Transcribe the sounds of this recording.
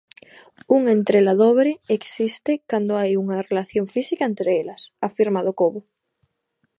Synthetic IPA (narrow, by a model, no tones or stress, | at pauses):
uŋent̪ɾelaðoβɾɪeksist̪ɪkand̪oajuŋɐrelaθjoŋfisikaent̪ɾeelɐsafiɾmaðokoβʊ